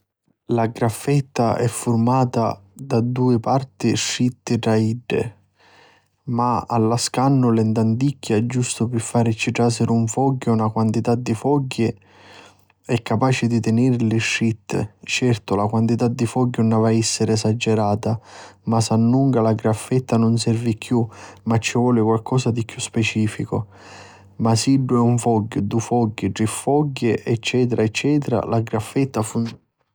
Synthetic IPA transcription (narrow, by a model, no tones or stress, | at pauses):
laɡɾafːɛt̪ːaʔɛfːʊrmaːt̪ad̪ad̪uːɪpart̪ɪʃːit̪ːɪʈɾaiɖːɪ̰ | maa̰lːaskanːʊlɛnd̪and̪ikʰːaɛd͡ʒːust̪ʊpɪfːaːɾɪt͡ʃːiʈɾasɪɾuɱfɔɡːʊunakwant̪it̪ad̪ːifɔɟːɪ | ɛkːapaːt͡ʃɪd̪it̪ɪnɛɾlɪʃːit̪ːt͡ʃɛrt̪ʊlakwant̪it̪ad̪ːifɔɡːunavaɛsːɪɾɪɛsad͡ʒːɛɾaːt̪amasanːuŋkalaɡɾafːɛt̪ːanʊnsɛrvikʰjumat͡ʃːɪvɔːlɪkwalkɔːsad̪ikjuspɛt͡ʃiːfikʊ | masiɖːʊɛuɱfɔɡːʊd̪ufɔɡːɪɖifːɔɡːɪʔɛt͡ʃːɛːt̪̬eɾaɛt͡ʃːɛːt̪ɪɾa̰laɡɾafːɛt̪ːafu